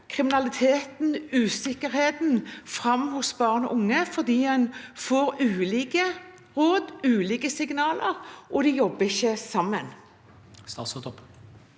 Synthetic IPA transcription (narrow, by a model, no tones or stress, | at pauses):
kʰʁɪmɪnɑlɪt̪ʰeːt̪n̩ʉːsɪkəɾheːt̪nfʁɑmːhʊsbɑːʁnɔ̰ʔʊŋːəfɔʁd̪iːhɛnfoːʁʉːliːkə | ʁoːd̪ʉːliːkəsɪɡnɑːləʁʔɔd̪ɛjɔbːəɪçːəsɑmːən | st̪ɑ̰sɔt̪ɔp